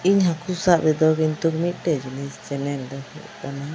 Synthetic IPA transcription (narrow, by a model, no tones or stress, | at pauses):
iɲɦakusaʔbɛd̪ɔkint̪ukmit̪̚ˀʈɛd͡ʒunist͡ʃɛnɛnd̪ɔhṵʔkana